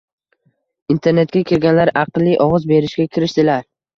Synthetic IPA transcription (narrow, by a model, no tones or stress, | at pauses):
int̪ʰe̞ɾne̞t̪̚kʲakʲʰɪɾɡʲanlaɾɑqlˠːiʔɒʁɨzbe̞ɾɪʃɡʲakʲʰɪɾɪʃt̪ɪlaɾ